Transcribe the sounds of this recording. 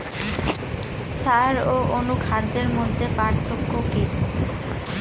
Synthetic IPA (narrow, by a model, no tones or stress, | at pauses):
saɾoʔonukʰad̪ːeɾmod̪ʱːepaɾt̪ʰokːokiɾ